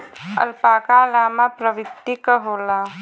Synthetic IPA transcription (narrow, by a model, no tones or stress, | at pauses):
ə̰lpaːkalaːmapɾəʋɪt̪ːikəɦoːla